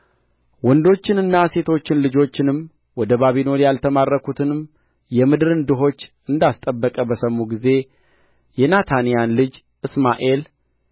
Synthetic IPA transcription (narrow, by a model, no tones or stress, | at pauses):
wɔnd̪o̞t͡ʃːɪnɨnːase̞t̪ʰo̞t͡ʃːɪnlɨd͡ʒo̞t͡ʃːɪnɨm | wɔd̪əβaβino̞ɾjalt̪ʰəmarːəkut̪ʰɨnɨm | jɛmɨd̪ɨɾɨnd̪ɨɦo̞t͡ʃː | ɨnd̪ast̪ʼəbːəkʼəbəsəmːuɡize̞ | jɛnat̪ʰanijanlɨd͡ʒ | ʔɨsmaʔe̞l